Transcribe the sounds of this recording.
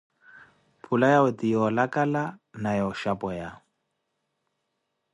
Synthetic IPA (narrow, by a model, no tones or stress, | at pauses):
pʰulajawɛtijɔlakʼalanajɔʃapʼɔja